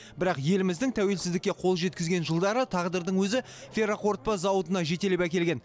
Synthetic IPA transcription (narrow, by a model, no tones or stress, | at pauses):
bɪɾɑqje̞lɪmɪzd̪ɪŋt̪ʰæwe̞lsɪzd̪ɪkʲːe̞qʰo̞lˠʒe̞t̪kʲɪzɡʲe̞nʒəlˠd̪ɑɾət̪ʰɑʁd̪əɾd̪əɴwɵzɪ | fʲeɾoqo̞rt̪̚pɑzɑwət̪ənɑʒe̞t̪e̞lepækʲe̞lɡʲe̞n